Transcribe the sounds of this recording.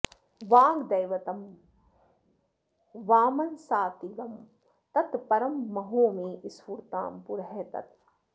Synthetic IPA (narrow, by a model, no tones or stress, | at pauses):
ʋaːɡd̪ɐjʋɐt̪ɐm | ʋaːmɐnsaːt̪iɡɐm | t̪ɐt̪pɐɾɐmːɐɦoːmiːʔisfuɾt̪a̰ːmpuɾɦet̪ɐ̰t̪